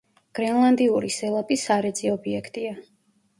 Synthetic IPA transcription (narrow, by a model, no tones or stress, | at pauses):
ɡ̥ɾɛnlˠand̪iuɾisɛlˠapʼisaɾɛd̪ziɔbiɛkʰt̪ʼia